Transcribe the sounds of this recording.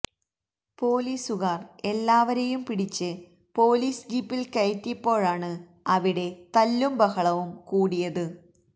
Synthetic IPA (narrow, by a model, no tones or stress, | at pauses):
po̞ːliːsuɣaːre̞lːaːʋɐɾejumpiɽit͡ɕːɨ | po̞ːliːsd͡ʑiːpːilkɐjt̪ːipːo̞ːɻaːɳɨ | ɐʋiɽe̞t̪ɐlːumbɐɣɐɭɐʋumkuːɽijɐðɨ